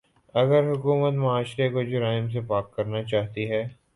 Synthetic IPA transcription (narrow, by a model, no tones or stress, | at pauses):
ɐɡəɾɦʊkuːmət̪mɐaːʃɾekod͡ʒʊɾaːɪms̬epaːkːɐɾnat͡ʃaːɦt̪iɦɛː